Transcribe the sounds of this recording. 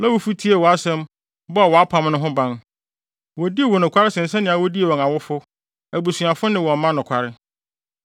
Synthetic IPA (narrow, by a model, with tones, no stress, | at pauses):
lã˦wʊ˦fu˦tʰi˦e˨wɔ˨a˦sɛ̃˦m | bɔ˦a˨wɔ˨a˦pʰã˨m˦nʊ̃˦ɦʊ̃˦bã˦n | wɔ˨di˦e˦˨wɔ˨nʊ̃˨kʷʰa˦ɾɪ˦sɛ̃˨n̩˨sɛ˦nɪ̃˦a˨wɔ˦di˦e˨wɔ̃˨ŋa˨wʊ˦fʊ˦ | æ˨bu˨su˨a˨fʊ˦nɪ̃˦wɔ̃˨m˦mã˦nʊ̃˨kʰʷa˨ɾɪ˦